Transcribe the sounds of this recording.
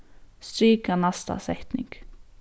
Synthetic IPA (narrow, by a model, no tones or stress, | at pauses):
st̪ɾiːkanast̪a̰sɛht̪nɪ̰ŋk